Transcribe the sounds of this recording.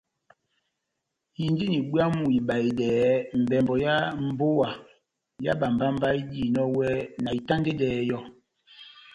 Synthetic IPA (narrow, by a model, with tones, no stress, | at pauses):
ji˨ndi˦ni˨ɓwa˦mu˨i˨ba˨i˨dɛː˨m̩˨bɛ˨mbɔ˨ja˦m̩˦˨bo˦wa˨ | ja̰˦ba˨mba˦m̩˦ba˦i˦di˦˨nɔ˦wɛ˦na˨i˨ta˦nde˦dɛː˨˦jɔ˦